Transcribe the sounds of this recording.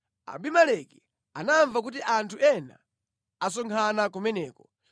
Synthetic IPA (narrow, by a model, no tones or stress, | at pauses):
a̰bimalɛki | anaɱvak̬ut̬iʔantʰuɛna̰ | asɔŋkʰanakumɛnɛːkɔ